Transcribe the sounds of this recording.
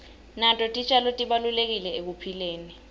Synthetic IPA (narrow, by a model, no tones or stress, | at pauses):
nantʼɔtʼit͡ʃʰʼalotʼiɓalulek̬ilɛek̬upʰileːni